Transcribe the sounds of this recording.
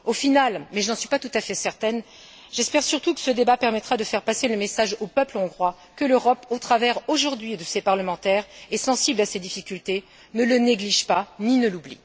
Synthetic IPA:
ofinalmɛʒənɑ̃sɥipat̪ut̪afɛsɛʁt̪ɛn | ʒ̥ɛspɛʁsyʁt̪ukə̥səd̪ebapɛʁmɛt̪χad̪əfɛʁpaseləmesaʒopœplɔ̃ɡʁwa | kəløʁɔpot̪χavɛʁoʒuʁd̪ɥid̪əsepaʁləmɑ̃t̪ɛʁɛsɑ̃siblased̪ifikʲylt̪e | nələneɡliʒpaninəlublḭ

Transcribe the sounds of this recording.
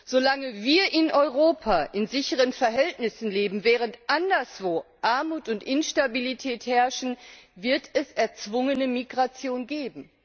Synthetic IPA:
z̥olaŋəviːɐʔɪnʔɔʏʁ̞oːpʰaʔɪnzɪçəʁ̞ənfɛɐɦɛltnɪsn̩leːbm̩vɛːʁ̞əntʔandɐsv̥oːʔaɐmuːtʊntʔɪnʃtabilitʰɛːthɛɐʃn̩vɪɐtʰɛsɛɐt͡sv̥ʊŋənəmiɡʁat͡sjoːnɡeːbm̩

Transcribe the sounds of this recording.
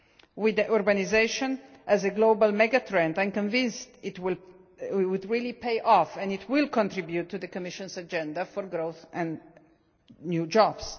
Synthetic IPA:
wɪd̪ʔɔɾbanizeʃɔ̃n | ʔæzəɡlobalmɛɡat̪ɹɛ̃ndãjmkɔ̃ɱvɪ̃nst̪ɪtwɪl | wud̪ɹilipejʔɔfɛ̃nɪt̪ʰwɪlˠkɔ̃nt̪ɾibjut̪ːuðəkɔmɪʃɔ̃nsad͡ʒɛ̃nd̪afɔɾɡɾoʊθɛ̃n | njud͡ʒɔb̥s

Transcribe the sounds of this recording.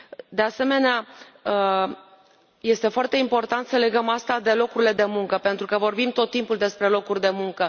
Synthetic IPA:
d̪e̞ase̞me̞neaə | je̞st̪e̞foart̪e̞impo̞rt̪ant̪səle̞ɡəmast̪ad̪e̞lo̞kuɾile̞d̪e̞muŋkəpe̞nt̪ɾukəvo̞rbimt̪o̞t̪ːimpuld̪e̞spɾe̞lo̞kurʲd̪e̞muŋkə

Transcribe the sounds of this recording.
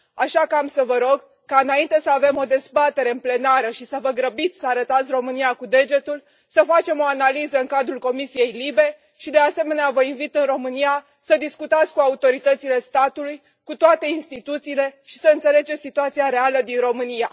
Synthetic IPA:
aʃakəamsəvəɾo̞ɡ | kaɨnaint̪e̞səave̞mo̞d̪e̞zbat̪e̞ɾe̞ɨmple̞naɾəʃisəvəɡɾəbit̪sʲsəaɾət̪at̪sʲro̞mɨniakud̪e̞d͡ʒe̞t̪ul | səfat͡ʃe̞mo̞analizəɨŋkad̪ɾulko̞misije̞jlibe̞ | ʃid̪ease̞me̞neavəinvit̪ɨnro̞mɨnija | səd̪iskut̪at̪sʲkuaut̪oɾit̪ət̪sile̞st̪at̪uluj | kut̪oat̪e̞inst̪it̪ut̪siːle̞ʃi̥səɨnt̪sele̞d͡ʒesʲsit̪uat̪sijaɾe̞aləd̪inro̞mɨnija

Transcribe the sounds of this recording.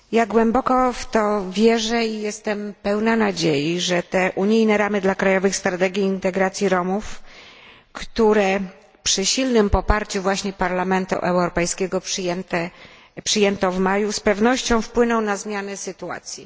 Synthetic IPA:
jaɡwɛmbɔkɔft̪ɔvʲjɛʐɛijɛst̪ɛmpɛwnanad͡ʑejiʐɛt̪ɛʔuɲijnɛɾamɘd̪lakɾajɔvɘxst̪ɾat̪ɛɡʲjiːnt̪ɛɡɾat̪sʲjiɾɔmuf | kt̪uɾɛ | pʂɘɕilnɘmpɔpaɾt͡ɕuvwaɕɲɛpaɾlamɛnt̪ṵʔɛwɾɔpɛjskʲɛɡɔpʂjɛnt̪ɛ | pʂɘjɛnt̪ɔvmajuspɛvnɔɕt͡ɕɔ̃w̃fpwɘnɔ̃w̃nazmʲjanɛsɘt̪ua̰t̪sʲjḭ

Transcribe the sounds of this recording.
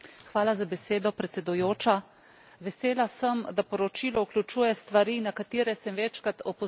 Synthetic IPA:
xʋaːlazabɛseːd̪ɔpɾɛt̪sɛd̪ujoːt͡ʃa | ʋɛseːlasəmd̪apɔɾɔt͡ʃiːlɔuklʲut͡ʃuːjɛst̪ʋaɾinakat̪iːɾɛsɛmʋɛt͡ʃkɾat̪ɔpɔ

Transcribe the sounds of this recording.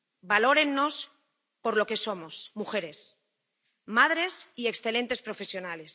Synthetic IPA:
balo̞ɾe̞nːo̞s | po̞ɾlo̞ke̞so̞mo̞smuxe̞ɾe̞s | maðɾe̞sie̞ksθe̞lẽ̞nt̪e̞spɾo̞fe̞sjo̞nale̞s

